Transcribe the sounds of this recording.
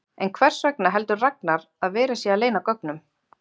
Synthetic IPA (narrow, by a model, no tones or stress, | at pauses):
ɛnkʰvɛr̥svɛknaɦɛlt̪ʏɾrak̚naɾ | aðvɛːɾasjɛaðleːjnakœk̚nʏm